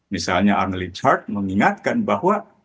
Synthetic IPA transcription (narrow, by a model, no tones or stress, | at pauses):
misalɲaʔaŋlit͡ʃart̪̚məŋiŋat̪̚kanbahwa